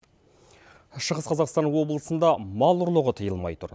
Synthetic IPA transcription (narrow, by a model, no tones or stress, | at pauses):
ʃəʁəsqʰɑzɑqst̪ɑnwo̞blˠəsənd̪ɑmɑlˠʊɾlˠəʁət̪ʰəjəlˠmɑ̰jt̪ʰʊ̰ɾ